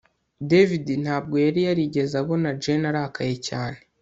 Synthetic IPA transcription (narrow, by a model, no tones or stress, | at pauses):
devidinhaːb̚ɡo̞jaɾijaɾiɟe̞zaβo̞nad͡ʒenaɾakaje̞caːne̞